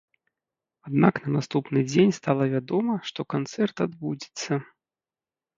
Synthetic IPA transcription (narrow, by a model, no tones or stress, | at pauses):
ad̪naknɐnast̪upnɨd͡zʲenʲst̪alˠɐvʲad̪ɔmɐʂt̪ɔkant̪sɛrt̪ad̪bud͡zʲi̥t̪sːɐ